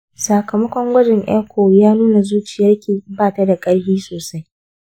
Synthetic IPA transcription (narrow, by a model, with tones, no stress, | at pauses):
sa˨kɐ˨mɐ˦kʷɔ˦ŋɡʷɐ˦d͡ʒɛ˨ŋʔɛ̰ː˦kʷʰoː˨jaː˦nuː˦na˨zuː˦t͡ʃɪ˨ja˦kʲiː˨baː˦˨ta˦da˨kʼɐ˦ɽhiː˦soː˨sa˦j